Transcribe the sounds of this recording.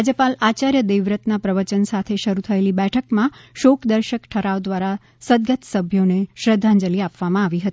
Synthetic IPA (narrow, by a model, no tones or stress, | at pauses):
ad͡ʒəpalat͡ʃaɾjəd̪eʋɾət̪napɾəʋət͡ʃənsat̪ʰeʃəɾut̪ʰəelibɛʈʰəkmãʃokd̪əɾʃəkʈʰəɾaʋd̪ʋaɾa | səd̪ɡət̪səbʱjoneʃɾəd̪ʱːãɲd͡ʒəliapʋamãaʋiɦət̪i